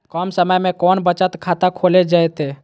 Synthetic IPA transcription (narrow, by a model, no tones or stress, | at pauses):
kɔːmsəməjmẽkɔːnbət͡ʃət̪kʰat̪akʰoːled͡ʒaːet̪e